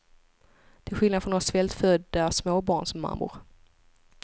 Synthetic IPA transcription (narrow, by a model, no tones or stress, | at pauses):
d̪̥ɛɪɧɪlnad̪fɔnoːɾasvɛlt̪fœd̪asmoːbɑːɳsɔmːa̰mːʊ̰ɾ